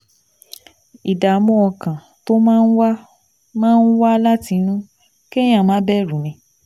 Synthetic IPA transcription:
i˨da˨˦mũ˦ɔ˧kã˨ | to˦mãː˦˧˦n̩˦wa˦ | mãː˦˧˦n̩˦wa˦la˦ti˧nũ˦ | ke˦j̃ã˦˨mãː˨˦bɛ˦˨ɾũ˨˦nĩ˧˦

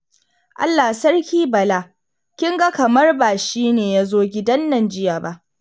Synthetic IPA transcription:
ʔa̰˦lːa˨sɐ˦rkʲiː˦bɐ˨laː˦ | kʲɪ˦ŋɡa˦kɐ˨mɐ˦rbaː˨ʃiː˦neː˨ja˦zoː˦ɡʲɪ˦dɐ˦nːɐ˨nd͡ʒɪ˦jaː˨ba˦ʔ

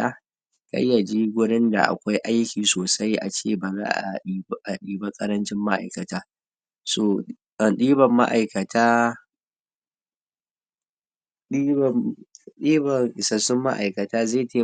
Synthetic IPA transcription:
aː˦ | ka̰˦jːa˨d͡ʒi˦ɡʷʊ˦ɽɪ˦nda̰˨ʔa̰˨kʷa˦jʔa˦jkʲiː˨soː˨sa˦jʔa̰˨t͡ʃḛː˦˨baː˨za̰ː˦ʔa̰˨˦ʔa˨ɗiː˨ba˦kʼɐ˦ɾɐ˦nt͡ʃɪ˦mːa˦ʔa̰˨jkɐ˨taː˦ | soː˨ | ɗiː˦bɐ˨mːa̰˦ʔa˨jkɐ˨tʰaː˦ | ɗi˦bɗiː˦bɐ˨ŋɪ˨sɐ˨sʊ˦mːa˦ʔa̰˨jkɐ˨taː˦ze˦˨teː˦

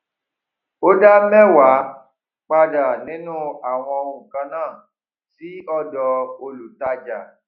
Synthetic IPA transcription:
o˦da˦mɛ̃˦wa˨˦ | k͡pa˧da˨nĩ˨˦nũ˦a˨w̃ɔ̃˧ũ˨kã˧nãː˦˨ | si˨˦ɔ˦dɔ˧o˧lu˨ta˧d͡ʒa˨

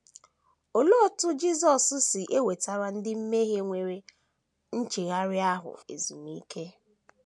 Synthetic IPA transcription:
o˨lo˦tʊ˦d͡ʒi˦zɔ˨ssɪ˨ʔe˦we˨ta˨ɾa˦n̩˦dɪ˦m̩˦me˦ɦe˦ŋʷe˨ɾe˨ | n̩˦t͡ʃe˨ɣa˦ɾɪ˦a˦ɦʊ̰˨ḛ˨zu˨mi˦kʰe˦

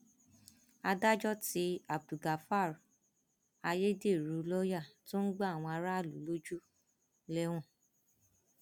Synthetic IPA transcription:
a˧da˦d͡ʒɔ˦ti˧a˨b̚du˨ɡa˨fa˦˨ɾ | a˧je˦de˦˨ɾu˨˦lɔ˦ja˦˨to˦n̩˦ɡ͡ba˦˨w̃ɔ̃˧a˧ɾa˦˨lu˨˦lo˦d͡ʒu˦ | lɛ˦w̃ɔ̃˦˨

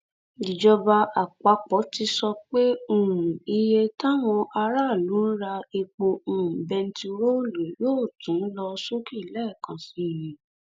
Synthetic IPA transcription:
i˨d͡ʒɔ˧ba˧ʔa˨k͡pa˨˦k͡pɔ˨˦ti˧sɔ˧k͡pe˦u˦˨ɾũ˨i˧je˧ta˦˨w̃ɔ̃˧ʔa˧ɾa˦˨lu˨˦ɾa˧e˧k͡po˧ũ˨ũ˨bɛ˧n̩˦ti˧ɾo˦˨le˨˦joː˦˨tũ˨˦n̩˦lɔ˧so˦ki˦˨lɛ˦˨kã˨sĩ˨˧˨jĩ˨

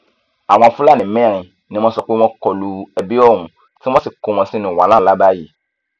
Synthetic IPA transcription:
a˨w̃ɔ̃˧˨fũ˦la˦˨nĩ˨mɛ̃˦˨ɾ̃ĩ˨ | nĩ˦mɔ̃˧sɔ˧k͡pe˦w̃ɔ̃˧kɔ˨lu˨ɛ˨bi˦ɔ˦˨ɾ̃ũ˨ | ti˦w̃ɔ̃˦si˨ko˨w̃ɔ̃˧si˦nũ˨wa˨lã˦˨la˦ba˦ji˦˨

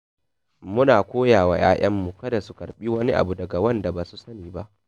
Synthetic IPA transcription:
mʊ˦naː˨kʷoː˦jaː˨wa̰ː˨ja̰ː˦j̰ɐ˦mːu˨kɐ˦da˨su˦kɐ̰˨ɽɓiː˦wɐ˦ni˦ʔa̰˨bu˨dɐ˨ɡa˨wɐ˦nda˨baː˨su˦sɐ˦niː˨ba˦ʔ

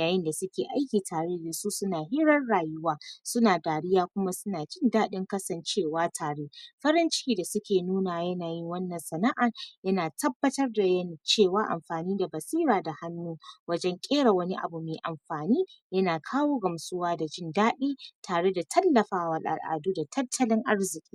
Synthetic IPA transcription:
jaː˨jɪ˦nda˨sʊ˦kʲeː˨ʔa˦jkʲiː˨tʰaː˨ɽeː˦jɪ˨su˦sʊ˦naː˨ɦɪ˦ɾɐ˦nɽaː˨jʊ˦waː˦sʊ˦naː˨daː˨ɽɪ˦jaː˦kʷʊ˦ma˦sʊ˦naː˨d͡ʒɪ˦ndaː˦ɗɪ˦ŋkɐ˦sɐ˨nt͡ʃeː˦˨waː˦tʰaː˨ɽe˦ɸɐ˦ɾɐ˦nt͡ʃɪ̥˦kʲiː˨da˨sʊ˦kʲeː˨nuː˦naː˨jɐ˦naː˨jɪ˦ŋwɐ˦nːɐ˨nsɐ˨na˦ʔa˨ŋjɐ˦naː˨tʰɐ˦bːɐ˦tɐ˦rda˨jɐ˦ni˨t͡ʃeː˦˨waː˦ʔa̰˨mɸaː˨niː˦da˨bɐ˨siː˦ɾaː˨da˨ha˦nːuː˦wɐ˦d͡ʒɛ˦ŋkʲʼeː˦ɽa˨wɐ˦ni˦ʔa̰˨bu˨meː˨ʔa˨mɸaː˨niː˦jɐ˦naː˨kʰaː˦woː˦ɡɐ˨msʊ˦waː˦da˨d͡ʒɪ˦ndaː˦ɗiː˦tʰaː˨ɽe˦da˨tʰɐ˦lːɐ˨ɸaː˦wɐ˨lʔa̰˨lʔa̰ː˨duː˦da˨tʰɐ˦tʰːɐ˦lɪ˦ŋʔa˦ɽzɪ˨kʲʼi̥ː˦

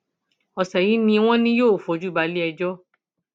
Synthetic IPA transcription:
ɔ˨sɛ˨ji˨˦nĩ˧w̃ɔ̃˦nĩ˦joː˦˨fo˨˦d͡ʒu˦ba˨˧li˦ɛ˧d͡ʒɔ˦

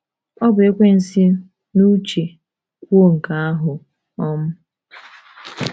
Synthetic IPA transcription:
ɔ˦bʊ˨e˦kʷe˦n̩˨si˦ | nu˦t͡ʃe˨ | kʷo˦ŋ̩˨ka˦a˦ɦʊ˨ | ɔ˦mʊ˦

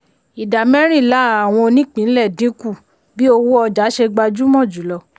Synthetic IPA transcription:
i˨da˨mɛ̃˦ɾ̃ĩ˦˨la˨˦a˨w̃ɔ̃˧o˧nĩ˦k͡pĩ˨˦n̩˦lɛ˦˨dĩ˨˦ku˦˨ | bi˦o˧wu˦ɔ˧d͡ʒa˨˦ʃe˧ɡ͡ba˧d͡ʒu˦mɔ̃˦˨d͡ʒu˨˦lɔ˧˦

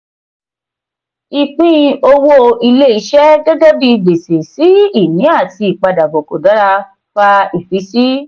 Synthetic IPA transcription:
i˨k͡pĩ˦˧o˧wo˧i˧le˦i˧˦ʃɛ˦ɡɛ˦ɡɛ˦bi˧be˨se˨si˨˦i˦˨nĩ˨˦a˦˨ti˧i˨k͡pa˧da˨bɔ˨ko˨da˨˦ɾa˧ | fa˧i˦˨fi˨˦si˦

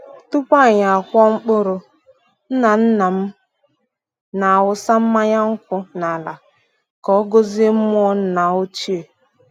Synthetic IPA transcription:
tu˦pa˦˨ɲa˨a˨kʷɔ˦ŋ͡m̩˦k͡pʊ˦ɾʊ˨ | n̩˦na˨n̩˦na˨m̩˦ | na˨a˨wʊ˦sa˦m̩˦ma˦ɲa˦ŋ̩˦kʷʊ˦na˨la˨ | kɔ˨˦ɡo˦ze˦m̩˦m˦ɔ˦n̩˦na˨o˦t͡ʃi˦e˨

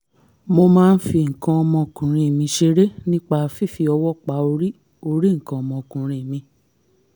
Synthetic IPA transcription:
mo˧mãː˦˧n̩˦fi˧ŋ̩˨kã˧ɔ˧mɔ̃˧˨kũ˨ɾ̃ĩ˧˦˨mĩ˧ʃe˧˦ɾe˦nĩ˦k͡pa˧fi˦˨fi˧ɔ˧wɔ˦˨k͡pa˨˦o˧ɾi˦ | o˧ɾi˦ŋ̩˨kã˧ɔ˧mɔ̃˧˨kũ˨ɾ̃ĩ˧˨mĩ˧

